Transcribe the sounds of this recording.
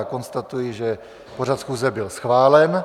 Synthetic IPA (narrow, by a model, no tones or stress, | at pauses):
ko̞nst̪at̪ujɪʒɛ | po̞r̝at̪sxuːzɛbɪlsxvaːlɛn